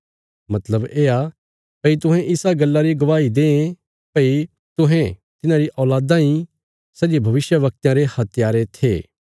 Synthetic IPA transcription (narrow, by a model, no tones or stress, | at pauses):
mɐt̪ləbeːa | pɐit̪̬ʊ̃ɦɛ̃ʔɪsaɡɐlːaɾiɡɐʋaːid̪ẽːẽ | pɐi | t̪ʊ̃ɦɛ̃t̪ɪnãɾiʔɔːlaːd̪ãĩ | sɐd͡ʒibʱɐʋɪsjəʋɐk̚t̪jãɾehɐt̪ɪjaːɾet̪ʰḛː